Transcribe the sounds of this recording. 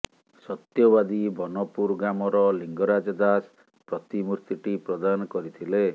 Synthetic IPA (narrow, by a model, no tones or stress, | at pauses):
sɔt̪jɔbad̪ibɔnɔpuɾɡamɔɾɔliŋɡɔɾad͡ʒɔd̪as | pɾɔt̪imuɾt̪iʈipɾɔd̪anɔkɔɾit̪ʰile